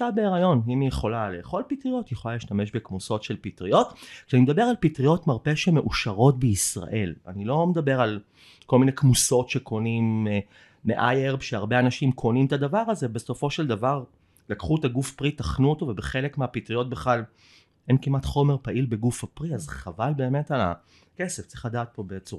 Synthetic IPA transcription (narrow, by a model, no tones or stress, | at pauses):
abeeʁajo̞nimijeχo̞laleːχo̞lpitʁijo̞tjeχo̞laliʃtame̞ʃbe̞kmuso̞tʃe̞lpitʁijo̞tkʃeanimed̪abe̞ʁalpitʁijo̞tmaʁpe̞ʃemeʔuʃaʁo̞tbeisʁa̰ʔe̞la̰nilo̞med̪abe̞ʁal | ko̞lmine̞kmuso̞tʃe̞kʰo̞nimː | eʔajeʁbʃeaʁbe̞anaʃimkʰo̞nimt̪ad̪avaʁazebe̞so̞fo̞ʃe̞ld̪avaʁ | lakχuetaɡufpʁitaχnuoto̞vebeχe̞lekmeapitʁijo̞t̚beχlal | ʔenkimatχo̞me̞ʁpaʔilbe̞ɡufapʁiazχavalbe̞ːme̞tala̰ | ke̞seft͡si̥χlad̪aːt̚po̞bet͡suʁa